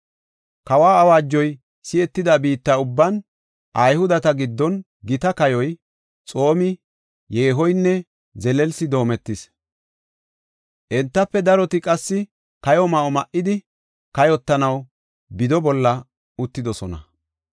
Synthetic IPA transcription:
kɐwaːɐwaːd͡ʒːɔj | sɪɛt̪ːɪd̪ɐbiːt̪ːɐʊbːɐn | ʔɐjhʊd̪ɐt̪ɐɡɪd̪ːɔn | ɡɪt̪ɐkɐjɔj | t͡sʼo̞ːmɪ | jeːɦɔjnːɛ | zɛlɛlsɪd̪o̞ːmɛt̪ːɪs | ʔɛnt̪ːɐpːɛd̪ɐɾɔt̪ɪkʼɐsːɪ | kɐjɔmɐʔɔmɐʔːɪd̪ɪ | kɐjɔt̪ːɐnɐw | bɪd̪ɔbɔlːɐ | ʊt̪ːɪd̪ɔsɔnɐ̰

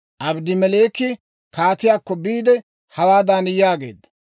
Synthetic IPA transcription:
ʔɐbd̪ɪmɛleːkːɪ | kaːt̪ɪjaːkːɔbiːd̪ɛ | hɐwaːd̪aːnɪjaːɡe̞̰ːd̪ːɐ̥

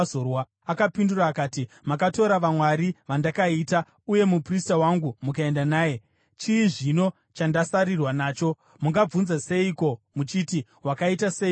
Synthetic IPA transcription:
orwa | akapinduraːkaːtimakato̞ɾaʋamwaɾiʋandakaita | uje̞mupristawaŋɡumukae̞ndanaːje̞ | t͡ʃiːʐino̞ | t͡ʃandasarirwanaːt͡ʃo̞ | muŋɡab͡vunzase̞iko̞mut͡ʃiti | wakaitase

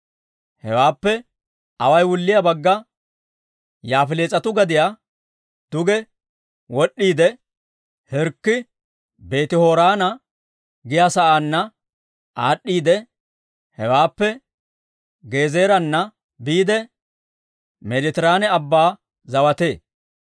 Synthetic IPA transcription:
hɛwaːpːɛ | ɐwɐjwʊlːɪjabɐɡːɐ | jaːfɪleːt͡sʼɐt̪ʊɡɐd̪ɪja | d̪̥ʊɡɛ | wɔɗːiːd̪ɛ | hɛɾkːɪ | be̞ːt̪ɪhoːɾaːnɐ | ɡɪjaːsɐʔaːnːɐ | ʔaːɗːiːd̪ɛ | hɛwaːpːɛ | ɡe̞ːze̞ːɾɐnːɐ | biːd̪ɛ | mɛd̪ɛt̪ɪɾaːnɛɐbːaː | zɐwɐt̪e̞ː

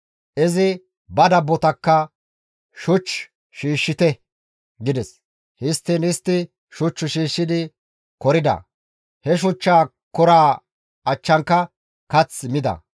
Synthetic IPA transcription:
ʔɪzɪ | bɐd̪ɐbːɔt̪ɐkːɐ | ʃʊt͡ʃː | ʃiːʃːɪt̪ɛ | ɡɪd̪ɛs | hɪst̪ːinhɪst̪ːɪ | ʃʊt͡ʃːʊʃiːʃːɪd̪ɪ | kɔɾɪd̪ɐ̰ | hɛʃ̬ʊt͡ʃːaː | kʊɾaː | ɐt͡ʃːɐŋkːɐ | kɐt͡sːmɪd̪ɐ̰

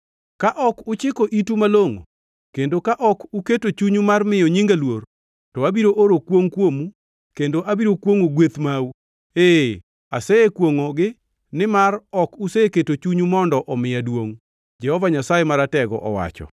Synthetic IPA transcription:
kaʔɔkʊt͡ʃɪkoʔitumaloŋo̰ | kendokaʔɔkuketot͡ʃuɲumarmɪjɔɲiŋɡalwor | tɔabiɾoʔoɾokwoŋkwomu | kendoʔabiɾokwoŋoɡwet̪mau | e | asɛekwoŋɔɡɪ | nɪmarɔkuseeketot͡ʃuɲumɔndɔʔɔmɪjadwoŋ | d͡ʒɛhɔvaɲasajemaɾatɛɡɔ̰ʔɔwa̰t͡ʃɔ̰

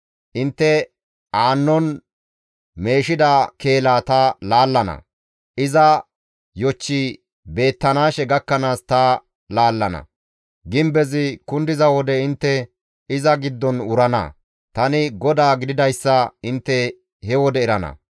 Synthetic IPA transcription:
ʔɪnt̪ːɛ | aːnːɔn | me̞ːʃɪd̪ake̞ːlaːt̪ɐlaːlːɐnɐ̰ | ʔɪzɐ | jɔt͡ʃːi | be̞ːt̪ːɐnaːʃɛɡɐkːɐnaːst̪ɐ | laːlːɐnɐ̰ | ɡɪmbɛzɪkʊnd̪ɪzɐwɔd̪ɛɪnt̪ːɛ | ɪzɐɡɪd̪ːɔnʊɾɐnɐ̰ | t̪ɐnɪɡɔd̪aːɡɪd̪ɪd̪ɐjsːɐɪnt̪ːɛ | hɛwɔd̪ɛɪɾɐnɐ̰

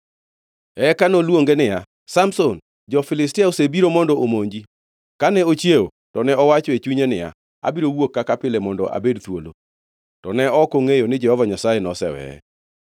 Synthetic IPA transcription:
ɛkanolwoŋɡenɪja | samson | d͡ʒɔfɪlɪstɪaosebiɾomɔndɔʔomoɲd͡ʒi | kanɛot͡ʃjeo | tɔnɛɔwat͡ʃɔet͡ʃuɲenɪja̰ | a̰biɾowokːakapɪlɛmɔndɔ̰ʔa̰bedt̪wo̰lo̰ | tɔnɛɔkoŋejonɪd͡ʒɛhɔvaɲasajenɔsɛwɛ̰ɛ̰

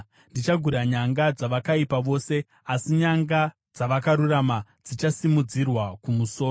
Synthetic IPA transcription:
ndit͡ʃaɡʱuɾaɲaŋɡad͡zaʋakaipaʋo̞ːse̞ | asiɲaŋɡa | d͡zaʋakaɾuramad͡zit͡ʃasimud͡zirwakumuso̞ːro

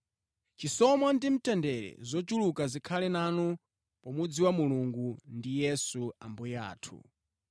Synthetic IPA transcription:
t͡ʃisɔmandim̩tɛndɛɾɛ̰zɔt͡ʃulukazikʰalɛnanu | pɔmud͡ziwamuluŋɡundijɛsuambɔja̰ːtʰṵ

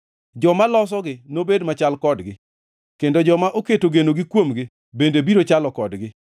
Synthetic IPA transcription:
d͡ʒɔmalɔs̬ɔɡɪnobedmat͡ʃalkɔdɡɪ | kendod͡ʒɔmaʔoketoɡenoɡɪkwomɡɪ | bendebiɾot͡ʃalɔkɔdɡɪ

